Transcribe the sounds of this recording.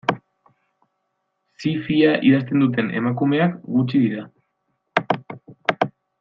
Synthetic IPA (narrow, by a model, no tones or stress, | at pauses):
sifiaʔiðast̪e̞nd̪ut̪̬e̞ne̞̰makume̞akɡut͡ʃiðiɾa